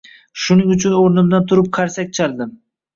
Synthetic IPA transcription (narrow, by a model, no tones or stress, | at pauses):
ʃʊnɪŋʊt͡ʃʰʊnoɾnɪmd̪ant̪ʰʊɾɪp̚qʰaɾsak̚ʲt͡ʃʰald̪ɪm